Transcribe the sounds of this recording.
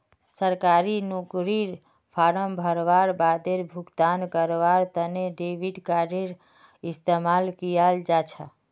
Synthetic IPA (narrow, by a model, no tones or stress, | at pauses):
səɾkaɾinukɾiɾ | pʰaɾəmbʱəɾʋaɾbad̪eɾbʱukt̪ankəɾʋaɾt̪əneɖebiɖkaɾeɾ | ist̪emalkijald͡ʒat͡ʃʰə